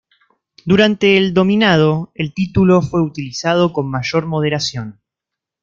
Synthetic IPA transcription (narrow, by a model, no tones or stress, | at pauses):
d̪uɾant̪e̞ːld̪o̞mĩnað̞oelt̪it̪ulo̞fwe̞ut̪ilisað̞o̞ko̞nmaʒo̞ɾmo̞ð̞e̞ɾasjo̞n